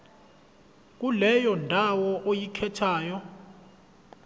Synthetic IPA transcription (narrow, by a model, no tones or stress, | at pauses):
k̬ulɛjɔndʱawɔʔojikʰɛtʰaːjɔ